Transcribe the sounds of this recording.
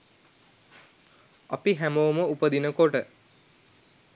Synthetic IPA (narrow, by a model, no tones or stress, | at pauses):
apiɦæmowməupəd̪inəkoʈə